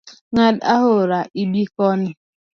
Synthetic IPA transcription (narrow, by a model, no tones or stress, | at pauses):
ŋadaɦʊɾaʔibikɔnɪ